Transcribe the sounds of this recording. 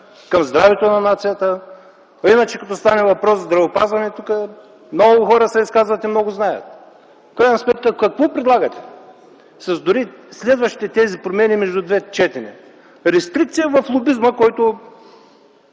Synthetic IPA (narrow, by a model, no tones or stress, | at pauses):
kɐmzd̪ɾavɛt̪onɐnat̪sijət̪ə | inɐt͡ʃɛkɐt̪ɔst̪anɛvɐpɾɔsːɐzd̪ɾɐvopazvɐnɛt̪ukə | mnɔɡʊxɔɾəsɛiskazvɐt̪imnɔɡʊznajə̰t̪ | fkɾajnɐsmɛt̪kɐkɐkvɔpɾɛd̪lˠaɡɐt̪ɛ̥ | sɐzd̪ʊɾislɛd̪vɐʃt̪i̥t̪ɛt̪ɛzipɾomɛnimɛʒd̪ud̪vɛt͡ʃɛt̪ɛnʲɛ | ɾɛst̪ɾik̚t̪sijəvɐflˠʊbizməkɔjt̪ʊ